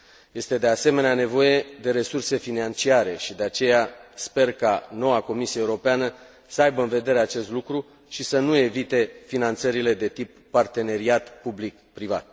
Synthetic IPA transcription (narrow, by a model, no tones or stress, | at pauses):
je̞st̪e̞d̪e̞ase̞me̞neane̞vo̞je̞d̪e̞ɾe̞surse̞finant͡ʃiaɾe̞ʃid̪e̞at͡ʃe̞jaspe̞rkano̞wako̞misieeuɾo̞peanə | səajbəɨnve̞d̪e̞ɾe̞at͡ʃe̞st̪lukɾu | ʃisənue̞vit̪e̞finant̪səɾile̞d̪e̞t̪ipːart̪e̞ne̞ɾiat̪publikpːɾiva̰t̪̚